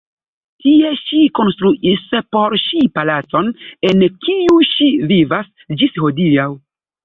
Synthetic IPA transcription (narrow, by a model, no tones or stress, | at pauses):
tie̞ʃiko̞nst̪ɾuʔispo̞ɾʃipalat͡so̞nenkiuʃivivas | d͡ʒisho̞dijaw